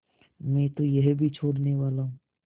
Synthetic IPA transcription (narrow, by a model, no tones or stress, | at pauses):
mɛ̃ːt̪ojəɦbʱit͡ʃʰoːɽneʋaːlaːɦũ